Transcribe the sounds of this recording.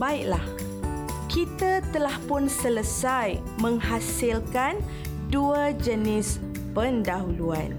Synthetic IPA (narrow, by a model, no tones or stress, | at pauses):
baiʔlah | kʰit̪at̪əlahpʊnsələsaj | mə̃ŋhasilkan | duəd͡ʒənɪs | pəndaɦulua̰n